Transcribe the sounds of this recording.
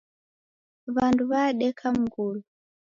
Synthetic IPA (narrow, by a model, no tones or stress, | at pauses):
βanduβaɗɛkʰam̩ɡulu